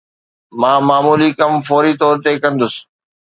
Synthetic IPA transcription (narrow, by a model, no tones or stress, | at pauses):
mãːmaːmuːlikɐmfɔːɾit̪ɔːɾt̪ekɐ̃nd̪ʊsɪ̥̆